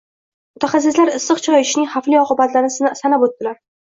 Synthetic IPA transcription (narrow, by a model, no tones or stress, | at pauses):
mʊt̪ʰaχas̬ɪslaɾɪsːɨqt͡ʃʰɒjɪʃnɪŋʲχafliɒqʰɨbat̪laɾɪnsanabot̪ːɪlaɾ